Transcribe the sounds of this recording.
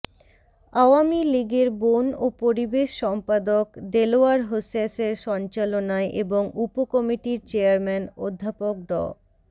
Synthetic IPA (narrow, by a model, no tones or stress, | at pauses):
aoamiliɡeɾbonopoɾibeʃːɔmpad̪okd̪eloaɾɦosaseɾʃɔnt͡ɕalonaeʔeboŋupokɔmiʈiɾt͡ɕeaɾmɛnod̪ʱːapok̚ɖɔ̰